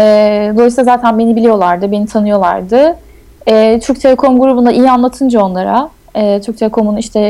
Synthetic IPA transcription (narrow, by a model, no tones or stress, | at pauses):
ɛd̪oɾislˠazaːt̪ʰænbe̞nibilʲijo̞lˠaɾd̪ɯbe̞nit̪ʰanɯjo̞lˠa̰ɾd̪ɯ | ɛːt͡ʃ̪ʰyɾc̚t̪ʰe̞lʲɛkʰo̞mɡuɾubund̪aʔijianlˠat̪ʰɯnd͡ʒao̞nlˠaɾa | ɛːt͡ʃ̪ʰyɾc̚t̪ʰelʲekʰo̞muniʃt̪ʰɛ